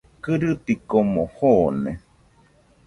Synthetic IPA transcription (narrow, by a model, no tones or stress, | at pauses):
kɨɾɨt̪ikomohonḛ